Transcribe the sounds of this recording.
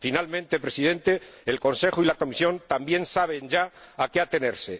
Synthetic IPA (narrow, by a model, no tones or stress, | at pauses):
finalmẽnt̪e̞pɾe̞sið̞ẽ̞nt̪e̞ːlko̞nse̞xuilako̞misjõ̞nt̪ambje̞nsaβ̞e̞nd͡ʒaakeat̪e̞ne̞ɾse̞